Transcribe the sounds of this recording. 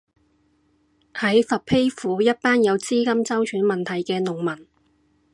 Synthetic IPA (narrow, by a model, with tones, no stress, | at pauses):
hɐ˨˥jfɐ˨pʰe˥jfuː˨˥jɐ˥t̚paː˥njɐ˨˧wt͡siː˥kɐ˥mt͡sɐ˥wt͡ʃʰyː˨˥nmɐ˨nt̪ʰɐ˨jkɛː˧nʊ˨ŋmɐ˨˩n